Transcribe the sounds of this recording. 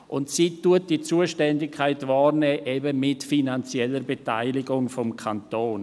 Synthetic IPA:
ʔʊntsiːtuət̚d̥it͡suːəʃtɛndɪkʰːaɪtvaːrnɛːʔɛbəmɪtfinant͡siɛlːəɾbeta̰ɪlɪɡʊŋfɔmkʰantoːn

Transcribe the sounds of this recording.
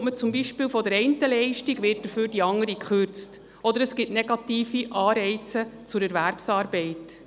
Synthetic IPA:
mət͡sʊmbiːʃpɪːlfɔdəɾɛɪntəlɛɪʃtiɡʋɪːrt̚d̥əɾføːɾdiɑŋəɾikχøɾt͡st | ɔd̪əɾəsɡ̥ɪtnɛɡɑtiːfiʔɑːɾɛɪt͡sət͡sʊɾɛɾʋæɾpsɑːɾbɛɪt

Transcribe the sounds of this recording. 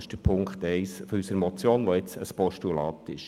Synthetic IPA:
ɪʃd̥əɾpʰʊŋkχtɛɪsfɔysəɾmɔt͡sjoːnʋoɪt͡səspɔʃtulɑːtɪʃ

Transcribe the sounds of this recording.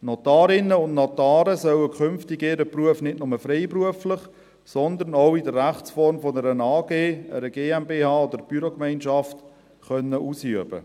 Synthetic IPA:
not̪aːɾɪnəʊndnotaːɾəsœwəkʰʏmftɪɡɪɾəpruəfnɪtnʊməfɾeɪpɾuəflɪχ | sɔnd̪ənoʊɪdərːæχt͡sfɔɾmfɔnəɾənɑːɡeːə̰ɾəɡeːɛmbeːhɑːod̪əɾb̥yɾokmæɪnʃɑft | χœnːəʔuːsyəbə̰

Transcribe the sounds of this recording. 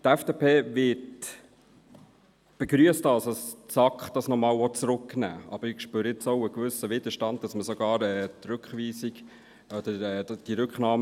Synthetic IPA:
tæfd̥eːpʰeːvɪt | b̥ɛɡɾyəstɑlsst͡sɑkχd̥ɑsnɔmɑːlɔt͡sɾʊkːnæ̰ːɑ̰b̥əɾɪkʃpøɾɪt͡soʊəɡʋʏsəʋɪd̪̥əʃtɑnd̚d̥ɑsməsɔɡ̥ɑːɾɛːt̪ɾʉkχʋiːsiɡ | ɔd̥̪əɛːd̥iɾʉkχnɑːm

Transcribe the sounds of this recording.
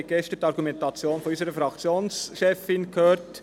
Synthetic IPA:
ɡ̥ɛʃtətɑɾɡumɛntɑt͡sjoːnfɔnyːsəɾəfɾɑkt͡sjoːnsʃɛfɪnkʰøːɾt

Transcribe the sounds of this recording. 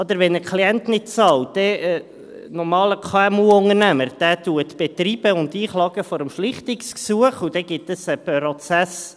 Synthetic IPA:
ɔd̪əɾʋɛnəkʰliɛntnɪt̚t͡sɑld̥ɛ | nɔɾmɑːləkʰɑɛmuʊŋəɾnæməɾd̥æːtuət̪b̥ɛt̪ɾib̥əʊndiːχlɑːɡəfɔɾəmʃlɪχt̪ɪksksuəχud̥̪ɛɡ̥ɪtəsəpɾɔt͡sæs

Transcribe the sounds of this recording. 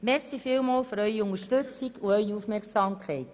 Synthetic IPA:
mɛɾsifɪːlmɑːlføɾœʏioŋəʃtøt͡siɡuœɥiufmɛɾksɑːmkχɛɪt

